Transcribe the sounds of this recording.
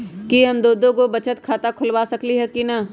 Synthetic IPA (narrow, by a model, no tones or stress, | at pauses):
kiɦɐmd̪oːd̪õkobɐt͡ʃət̪kʰaːt̪akʰʊlʋaːsɐkliɦɛkina